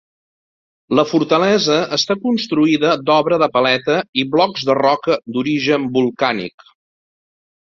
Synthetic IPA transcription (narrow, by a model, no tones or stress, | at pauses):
ləfuɾt̪əlɛzəəst̪akunst̪ɾuiðəd̪ɔβɾəðəpəlɛt̪əiβlɔɡzðərɔkəd̪uɾiʒəmbulˠkanḭk